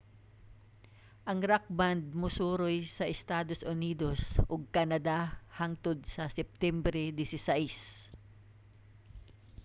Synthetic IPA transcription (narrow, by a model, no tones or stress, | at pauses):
ʔɐŋɾak̚band̪̚mʊsuːɾojsɐʔɛst̪aːd̪osʔʊniːd̪osʔoɡ̚kanɐd̪ahaŋt̪ʊd̪̚sɐsɛp̚t̪ɛmbɾɛd̪ɪsɪsaʔis